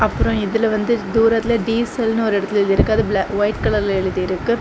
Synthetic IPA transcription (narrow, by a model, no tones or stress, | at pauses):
ʔɐpːɯɾõɪðɪlʋɐnd̪ɯd̪uːɾɐt̪ːɪlɐɖiːsɛlnɯɔɾɪɽɐt̪ːɪlɪɾɯkːaːðɯblɐʋɐɪʈkɐɭɐɾlɛɻɯðɯɪɾɯkːɯ